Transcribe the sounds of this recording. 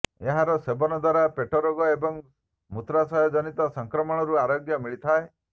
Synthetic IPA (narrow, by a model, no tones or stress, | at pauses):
eɦaɾɔsebɔnɔd̪waɾapeʈɔɾoɡɔebɔŋ | mut̪ɾasɔjɔd͡ʒɔnit̪ɔsɔŋkɾɔmɔɽ̃ɔɾuaɾoɡjɔmiɭit̪ʰae